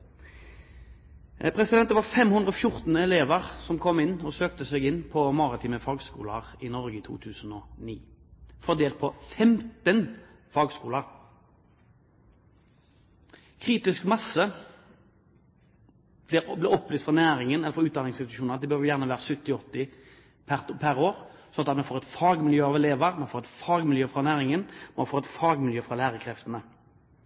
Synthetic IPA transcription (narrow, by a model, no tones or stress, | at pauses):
pʰʁɛsɪd̪ɛnʋɑʁfɛmhʉnd̪ʁəɔfjʊʁt̪n̩ɛleːʋəʁsɔmkʰɔmːɪnːɔsøːk̚t̪əsɛːɡɪnːpʰɔmɑʁɑt̪ʰiːməfɑːɡskṵːlə̰ʁɪnɔʁɡəɪt̪ʰṵːt̪ʰʉːsn̩ɔniːfɔʁd̪eːlt̪̚pʰɔfɛmt̪ən | fɑːɡskuːləʁ | kʰʁiːt̪ɪskmɑsə | blɪblɪɔplyːst̪fʁɑnæːɾɪŋənɛlːəfɾɔʁʉːt̪̚d̪ɑnɪŋsɪt̪ɪʃuːnʁɑt̪d̪ɛbøɾʁʋjæːʁnəʋæːʁəsʉt̪ːɪɔt̪ːɪ | pʰæʁpʰæɾoːʁ | sɔnɑt̪ɑt̪mɛnfoːʁɛt̪fɑːɡmɪljøːɑʋɛleːʋəʁmɛnfoːʁɛt̪fɑːɡmɪljøːfɾɑnæːʁɪŋənmɑnfoːʁɛt̪fɑːɡmɪljøːfʁɑlæːʁəkʰɾɛft̪ənə